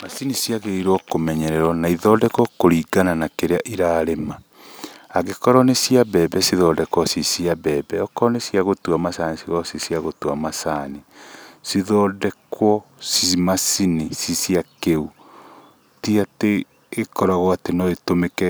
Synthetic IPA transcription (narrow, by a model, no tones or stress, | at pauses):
masinisjaɣeiɾwɔkomɛɲɛɾɛɾwɔnaiðɔːdɛkwɔkoɾiːɡananakeɾeaʔiɾaːɾemaː | ɣekɔɾɔnesiabɛbɛsiðɔdɛkwɔsisiabɛbɛɔkɔɔnesiaɣotuamasanisiɣɔsisiaɣotuamasanisiðɔdɛkwɔsimasinisisiakeu | tiateː | kɔɾaɣɔatenɔetomekɛ